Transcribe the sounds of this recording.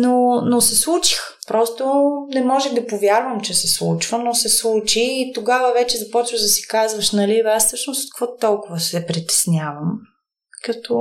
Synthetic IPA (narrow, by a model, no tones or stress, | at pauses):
nonosɛslˠut͡ʃi̥x | pɾɔst̪onɛmɔʒɛxd̪ɐpovʲjaɾvəmt͡ʃɛsɛslˠut͡ʃvənosɛslˠut͡ʃiːt̪oɡavəvɛt͡ʃɛzɐpɔt͡ʃvəɣd̪ɐsi̥kazvɐʃnɐlivassɤʃnost̪t̪kvɔt̪ɔlˠkʊvəsɛpɾit̪ɛ̥snʲjavəm | kɐt̪ʰɔ